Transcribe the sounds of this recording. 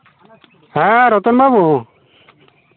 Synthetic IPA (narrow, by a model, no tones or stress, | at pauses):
ɛɾɔt̪ɔnbabu